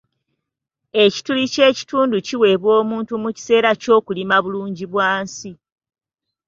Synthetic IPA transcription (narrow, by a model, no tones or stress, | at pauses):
e̞ci̥tulice̞ːci̥tuːnduciwe̞ːβwoːmuːntumuci̥se̞ːɾaco̞ːkulimaβuluːɲɟiβwaːnsi